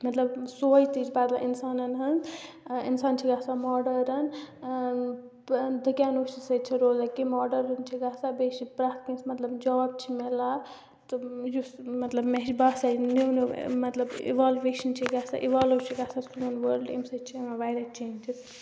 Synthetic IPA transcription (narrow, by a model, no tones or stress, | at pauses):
mɐt̪ləbsojt̪it͡ʃʰbaːd̪laʔinsaːnɐnɦɐnd͡z | ḭnsaːnt͡ʃʰiɡasamɔːɖəɾɐn | d̪ʱəkjaːnot͡ʃisət͡ʃʰiɾoːzakimɔːɖəɾɐnt͡ʃʰiɡaːsabeːʃipɾaːt̪ʰkẽnsmɐt̪lɐbd͡ʒɐab̚t͡ʃʰimela | t̪ɨjusmɐt̪ləbmeɦd͡ʒbasanenmɐt̪lɐbḭʋaːlʋeːʃɐnt͡ʃʰiɡasa̰ʔiʋaːlut͡ʃʰiɡasaskloːnʋəɾɖḛmsɐt͡ʃʰimaʋaːjɾat͡ʃeːnd͡ʒis